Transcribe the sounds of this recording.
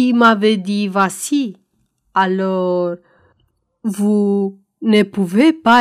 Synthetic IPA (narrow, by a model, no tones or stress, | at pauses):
imaved̪ivasi | alɔr | vu | nepuvepa